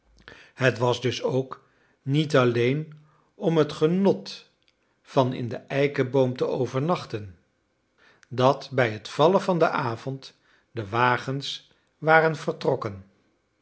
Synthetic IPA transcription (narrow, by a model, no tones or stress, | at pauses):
hətʋɑzdɵsowk | nit̬ɑlejn | ɔmɦətχənɔt | fɑnɪ̰ndəʔɛjkəbowmtəowvəɹnɑχtən | dɑtbɛjɦətfɑləvɑndəʔaːvɔnt | dəʋaːχəns | ʋaːrənv̥ərtrɔkən